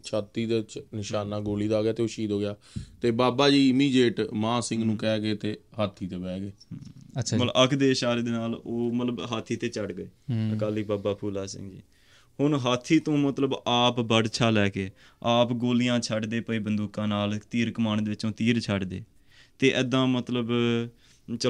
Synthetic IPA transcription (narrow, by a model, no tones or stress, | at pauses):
t͡ʃʰaːt̪ːiːd̪et͡ʃnɪʃaːnaːɡoːliːd̪aːɡjaːt̪eːoːʃiːd̪ɦoːɡɪjaː | t̪eːbaːbaːd͡ʒiːɪmiːd͡ʒeːʈmãːsɪ̃ŋɡnũːkɛːɡeːt̪eːɦaːt̪ʰːiːt̪õːbɛːɡeːəməəkʰd̪eːɪʃaːɾeːd̪eːnaːloːmət̪ləbɦaːt̪ʰːiːt̪eːt͡ʃəɖɡəeːəkaːliːbaːbaːpʰuːlaːsɪ̰̃ŋɡd͡ʒḭː | hʊnɦaːt̪ʰːiːt̪õːmət̪ləbaːpbəɽt͡ʃʰaːlɛːkeː | aːpɡoːlɪjãːt͡ʃʰəɖd̪eːpəiːbənd̪uːkãːnaːlt̪iːɾkəmaːnd̪eːʋɪt͡ʃõːt̪iːɾt͡ʃʰəɖd̪ḛː | t̪eːʔɛːd̪ãːmət̪ləb | t͡ʃə